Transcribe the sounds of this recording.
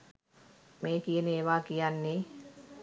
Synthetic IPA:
mekineʋakijanːi

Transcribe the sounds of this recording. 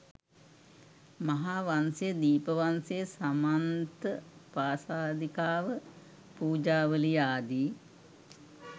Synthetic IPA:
mɐɦaːʋansejəd̪iːpəʋansejəsamant̪əpaːsaːd̪ikaːʋə | puːd͡ʒaːʋəlijaːd̪iː

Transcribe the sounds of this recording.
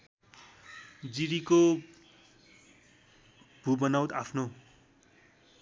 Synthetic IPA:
d͡ziɾiko | b̥ʱubʌnawt̪apʰno

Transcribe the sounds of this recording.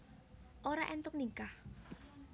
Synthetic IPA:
ʔoɾaʔɛnt̪ʊk̚niŋkah

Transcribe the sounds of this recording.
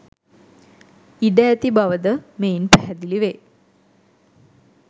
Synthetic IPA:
iɖæːt̪ibaʋəd̪əmeinpæɦæd̪iliʋe

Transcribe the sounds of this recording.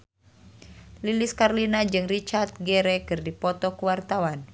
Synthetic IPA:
liliskarlinad͡ʒɨŋrit͡ʃart̪̚ɡɛɾɛkɨrdipɔt̪ɔkuwart̪awan

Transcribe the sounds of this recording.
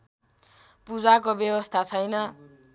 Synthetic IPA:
pud͡zakobjebʌst̪ʰat͡sʰʌjnʌ

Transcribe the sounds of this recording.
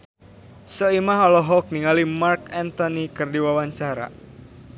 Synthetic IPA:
sɔimaɦɔlɔɦɔk̚niŋalimarkɛnt̪ɔnikɨrdiwawaɲt͡ʃaɾa̰

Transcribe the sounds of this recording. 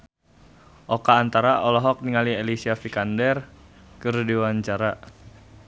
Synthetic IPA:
ʔɔkaːnt̪aɾaʔɔlɔɦɔk̚niŋaliɛlisiafikandɛr | kɨrdiwaɲt͡ʃaɾa

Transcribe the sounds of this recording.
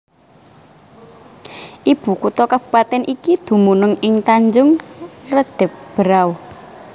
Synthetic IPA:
ʔib̥ukut̪ɔkab̥ṳpat̪ɛnʔikid̪̥ṳmunʊŋɪŋt̪aɲd͡ʒʊŋrəd̪̥ɛp̚b̥əɾaw

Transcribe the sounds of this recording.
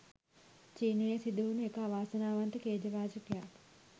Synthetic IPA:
t͡ʃiːneːɐsid̪uːnekaːʋaːsɐnaːʋɐnt̪ikeːd͡ʒɐʋaːd͡ʒɐkjaː

